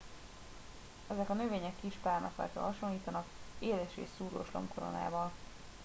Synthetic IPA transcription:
ɛzɛkɒnøveːɲɛkːiʃpaːrnɒ̰fɛ̰lt̪ø̰ɦɒʃonlːiːt̪ɒnɒkeːlɛʃḛːʃsuːɾo̰ːʃlo̞̰mkoɾo̞̰na̰ːvɒl

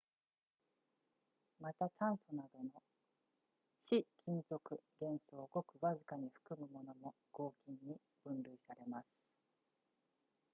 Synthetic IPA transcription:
mat̪at̪ãɰ̃so̞nad̪o̞no̞ | çikʲĩnzo̞kɯ̟ɡẽ̞ɰ̃soːɡo̞kɯ̟βazɨkaɲ̟iɸɯ̟̥kɯ̟mɯ̟mo̞no̞mo̞ | ɡ̥o̞ːkʲĩɲːi | b̥ɯ̟̃nɾɯ̟isaɾe̞masɨ̥

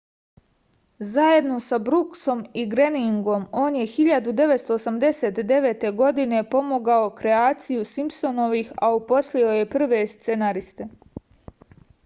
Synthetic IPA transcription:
zaje̞d̪no̞sabɾukso̞miɡɾe̞niŋɡo̞mo̞ːnje̞xiʎad̪ud̪e̞ʋet̪st̪o̞ːsamd̪e̞se̞t̪d̪e̞ʋe̞ːt̪e̞ɡo̞d̪ine̞po̞mo̞ɡao̞kɾe̞aːt̪sijusimpso̞no̞ʋixaupo̞slio̞je̞pr̩ʋe̞st̪senaɾist̪e̞

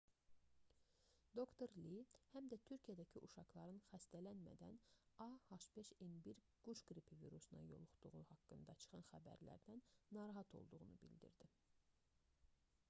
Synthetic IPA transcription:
d̪o̞kt̪oɾlihæmd̪æt̪ʰyɾcʰijæd̪æcʰiʔuʃɑχlˠɑɾɯnxæst̪ælænmæ̰d̪æ̰nɑhɑʃbeʃenbiɾ | ɡ̥ut͡ʃɡɾipʰivḭɾusunɑ̰jo̰lˠuχt̪uʁuhɑkːɯnd̪ɑt͡ʃʰɯ̥χɑnxæbæ̰ɾlæ̰ɾd̪ænːɑɾɑɦɑt̪ʰo̞̰lˠd̪uʁunubḭld̪ḭɾd̪i

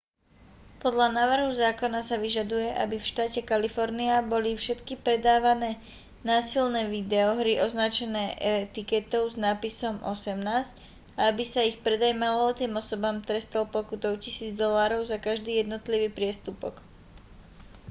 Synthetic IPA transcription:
pɔd̪ʎanaːʋr̩ɦuzaːkɔnasaʋiʒad̪ujɛʔa̰bifʃt̪aːcɛkalifɔɾniabɔlifʃɛt̪kipɾɛd̪aːʋanɛː | naːsilnɛːʋid̪ɛɔɦɾiʔɔznat͡ʃɛnɛːɛt̪ikɛt̪ɔʊznaːpisɔmʔɔsɛmnaːsc | aabisaixpɾɛd̪ajmalɔɔt̪iːmɔsɔbaːmt̪ɾɛst̪alpɔkut̪ɔʊcisiːd͡zd̪ɔlaːɾɔʊzakaʒd̪iːjɛd̪nɔt̪liʋiːpɾɪɛst̪upɔ̰k

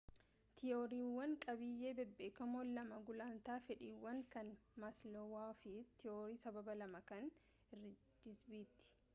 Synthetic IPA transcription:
t̪ɪjoːɾiːwːɐŋkʼɐbɪjːeːbɛbːeːkːɐmoːlːɐmɐɡʊlaːnt̪aːfɛᶑiːwːɐŋkɐnmaslɔwaːfit̪ɪoːɾiːsɐbɐbɐlɐmɐkɐn | ɪrːɪ | d͡ʒ̪ɪsbiːt̪ːɪ̥

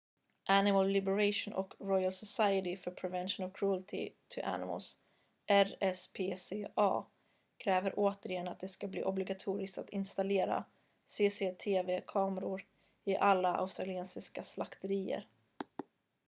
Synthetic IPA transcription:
ʔænɪmalːɪbɛɾaʂʊnʔɔ̰kɾɔjalsɔsajət̪ɪfœɾpʰɾɛvɛnʃʊnɔvkʰɾuːlt̪ʰɪ̰t̪ʰɵʔæ̰nɪ̰mə̰ls | ʔɛɾɛspʰeːseːʔɑ̰ː | kʰɾɛːvəɾʔoːt̪əɾɪjɛnːat̪̚d̪ɛskablḭːʔɔblɪɡat̪ʰuːɾɪsk̚t̪at̪ɪnst̪aleːɾa̰ | seːseːt̪ʰeːveːkʰɑːməɾʊɾ | ɪʔalːaʔa̰ʊst̪ɾalɪeːnsɪskaslakt̪əɾiːə̰ɾ

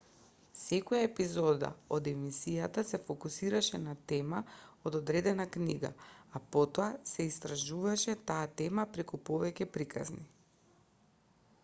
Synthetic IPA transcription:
sɛkɔjaɛpizɔd̪a̰od̪ɛmisijat̪asɛfokusiɾaʃɛnat̪ɛmaod̪ɔd̪ɾɛd̪ɛnakniɡa̰apɔt̪ɔasɛist̪ɾaʒuvaʃɛt̪aːt̪ɛmapɾɛkupɔvɛcɛpɾikʰa̰zni

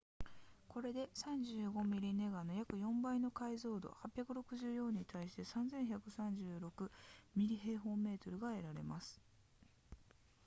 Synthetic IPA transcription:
ko̞ɾe̞d̪e̞sãɲd͡ʑɨːɡo̞mʲiɾʲine̞ɡano̞jakɯ̟jõ̞mbaino̞kaizo̞ːd̪o̞̰hapʲjakɯ̟ɾo̞kɯ̟ʑɨːjõ̞ɲ̟ːit̪ʰaiɕi̥t̪e̞sãnd͡zẽ̞ɰ̃çakɯ̟sãɲ̟d͡ʑɨːɾo̞kɯ̟mʲiɾʲiɦe̞ːɦo̞ːme̞ːt̪o̞ɾɯ̟ɡae̞ɾaɾe̞̰masɨ̥

